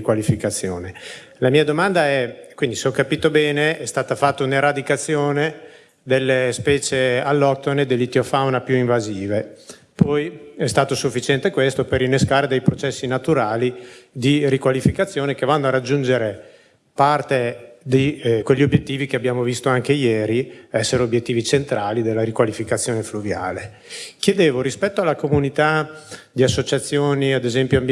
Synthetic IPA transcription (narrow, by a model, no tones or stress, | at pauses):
kwalifikat̪sːjo̰ːne | lamiːad̪omand̪aɛkwind̪iseɔkːapiːt̪obɛːneɛst̪aːt̪afat̪ːauneɾad̪ikat̪sːjoːne | d̪elːespɛːt͡ʃealːɔk̚t̪oned̪elːit̪jofawnapjuiɱvaziːve | pɔjɛst̪aːt̪osufːit͡ʃɛnt̪ekwest̪operinːeskaːɾed̪ejpɾot͡ʃɛsːinat̪uɾaːlid̪irikwalifikat̪sːjoːnek̟evanːoaɾad͡ʒːund͡ʒeɾe | part̪ed̪ikwelʎːiobjet̪ːiːvikeabjaːmovist̪oaŋkejɛːɾiɛsːeɾeobjet̪ːiːvit͡ʃent̪ɾaːlid̪elːaɾikwalifikat̪sːjoːnefluvja̰ːle | kjed̪eːvoɾispɛt̪ːoalːakomunit̪ad̪iasːot͡ʃat̪sːjoːniad̪ezɛmpjoamb